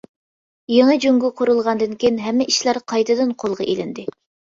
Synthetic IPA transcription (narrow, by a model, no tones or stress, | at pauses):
jeŋəd͡ʒyŋɡuqʰuɾulˠʁɑnd̪ɨnkʲʰenɦɛmːɪʔiʃlæɾqʰɑjt̪ʰɨd̪ɨnqʰolˠʁɑʔelɪnd̪ɪ